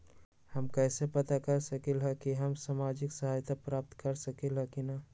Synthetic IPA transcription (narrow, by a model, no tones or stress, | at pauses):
həmkɛːsepɐt̪akɐɾsɐkelɦɛkiɦəmsaːmaːd͡ʒɪksəɦaːjt̪apɾaːp̚t̪kəɾsəkelɦɛkina